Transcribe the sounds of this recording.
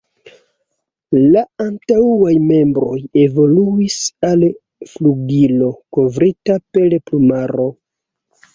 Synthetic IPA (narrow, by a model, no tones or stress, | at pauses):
laantawajme̞mbɾo̞je̞vo̞luisal | fluɡilo̞ko̞vɾitape̞lplumaɾo̞